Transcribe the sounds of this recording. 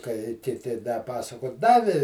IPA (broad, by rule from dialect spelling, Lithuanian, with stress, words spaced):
kɐɪ kʲɪˈtʲɪ dɐ ˈpɑːsɐkoː ˈdɑːʋʲɪ